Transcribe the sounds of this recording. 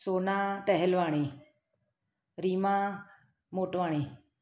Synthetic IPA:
soːnãːʈəɦɛlʋaːɽ̃ĩː | ɾiːmãː | moːʈʋaːɽ̃iː

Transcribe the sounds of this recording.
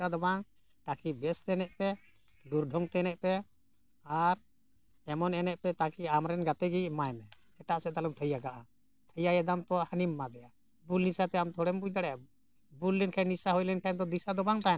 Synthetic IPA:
ad̪ɔbaŋ | t̪akʰibɛst̪ɛnɛʔ̪̚pɛ | luɾɖʱɔŋt̪ɛɛnɛʔ̚pɛ | aɾ | ɛmɔnɛnɛʔ̪pɛt̪akʰiamɾɛnɡat̪ɛɡimajmɛ | ɛʈaʔsɛd̪alumt̪ʰəjaɡaʔa | t̪ʰəjajɛd̪amt̪ɔhanimːad̪ɛja | bulnisat̪ɛamt̪ʰɔɽɛmbud̪aɽɛʔa | bulːɛnkʰajnisaɦɔjlɛnʈʰajmd̪ɔd̪isad̪ɔbaŋt̪a

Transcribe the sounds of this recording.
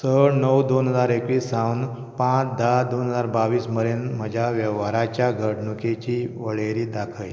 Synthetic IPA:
səɽnəwd̪onɦəd͡zaɾekʋiːsːãwn | pãt͡sd̪ad̪onɦəd͡zaɾbaʋiːsməɾenməd͡ʑʱaʋjəʋaɾat͡ɕjaɡʱəɽɳuket͡ɕiʋəɭeɾiːd̪akʰəj

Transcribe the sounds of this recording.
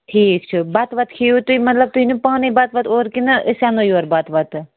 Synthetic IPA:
ʈʰiːkt͡ʃʰibɐt̪ʋɐt̪̚kʰiːut̪uimɐt̪lɐb̚t̪uinupaːnibɐt̪ʋɐt̪oːɾkinɨʔɨsaŋɡojoːɾbat̪ʋɐt̪

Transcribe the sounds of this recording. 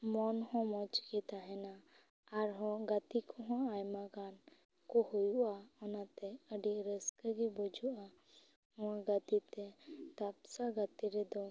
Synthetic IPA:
mɔnhɔ̃mɔt͡ʃkit̪aɦɛnaː | ɾɦɔ̃ɡat̪ikɔɦɔ̃ajmaɡan | kɔhujuʔaɔnat̪ɛəɖiɾəskəɡibɔd͡ʒuʔa | ɔ̃ãɡat̪it̪ɛt̪apsaɡət̪iɾɛd̪ɔ

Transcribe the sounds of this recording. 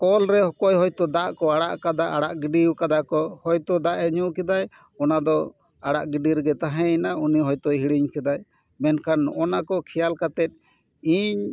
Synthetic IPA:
kɔlɾɛhɔkɔjɦɔjt̪ɔd̪aʔkɔaɽaʔkad̪aʔaɽaʔɡiɖiwkad̪akɔhɔjt̪ɔd̪aʔɛɲuʔkɛd̪aj | ɔnad̪ɔ | aɽaʔɡiɖiɾɡɛt̪aɦɛ̃inauniɦɔjt̪ɔɦiɽiɲkɛd̪aj | mɛnkʰanʔɔnakɔkʰɛjalkat̪ɛt̪̚ˀ | iɲ

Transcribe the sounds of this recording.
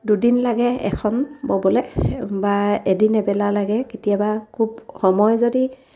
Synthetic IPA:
dudinlaɡɛɛ̰kʰɔnbɔbɔlɛbaedinɛbɛlalaɡɛketijabakʰubxɔmɔjzodi

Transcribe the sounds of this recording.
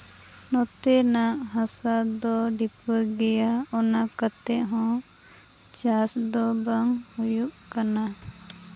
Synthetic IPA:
nɔt̪ɛnaʔɦasad̪ɔɖipɔɾɡɛjaɔnakat̪ɛʔɦɔ̃ | t͡ʃasd̪ɔbaŋhujuʔkana

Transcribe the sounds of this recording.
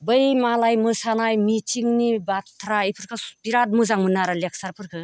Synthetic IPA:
bɯjmalajmɯsanajmit͡ʃiŋnibat̪ʰɾaipʰɯɾkʰɯbiɾat̚mɯzaŋmɯnaɾalek̚saɾpʰɯɾkʰɯ

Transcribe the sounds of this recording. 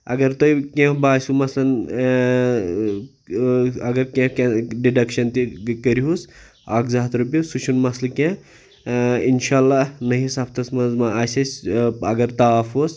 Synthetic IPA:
ɐ̰ɡɐɾt̪oikẽbaːsumɐslɐn | ɐɡɐɾkẽkẽɖiɖɐkʃɐnt̪ikəɾiɦus | aːkzaːt̪ɾubisut͡ʃʰunmɐslɐkẽ | inʃaːlːaːnɐɦĩsɐpʰt̪ɐsmɐnzmaaːsʲɐsʲɐɡɐɾt̪afos

